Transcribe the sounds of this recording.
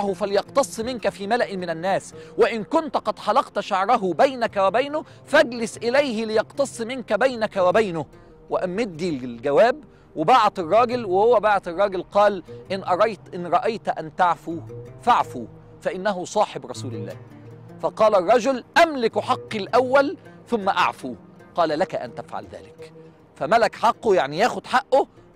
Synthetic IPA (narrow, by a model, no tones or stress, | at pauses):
hʊfæljɑqt̪ɑsˤːmɪnkæfiːmælæʔmɪnænːæːswɪʔɪnkʊnt̪qɑd̪ħɑlɑqt̪ʃaʕɾˤɑɦʊbæjnækæwabajnʊ | fæɡlɪsʔɪlæjɦɪlɪjɑqt̪ɑsˤːmɪnkæbajnakæwæbajnʊ | wɪʔæmːɪd̪ːilɡæwæːb | wɪbaʕt̪ɪrˤːɑːɡɪlwɪhʊwːæbaʕt̪ɑrˤːɑːɡɪlqɑːlʔɪnʔɑɾˤɑjt̪ʔɪnɾˤɑʔɑjt̪ʔænt̪aʕfufaʕfu | fæʔɪnːæɦʊsˤɑːħɪbɾˤɑsuːlɪlːæ̰ːh | fɑqɑːlærˤːɑd͡ʒʊlʔæmlɪkħɑqːilʔæwːælθʊmːæʔa̰ʕfuqɑːlælækæʔæ̰nt̪æfʕa̰lðæ̰ːlɪk | fæmælækħɑqːojaʕnijæːxʊd̪ħaʔːʊ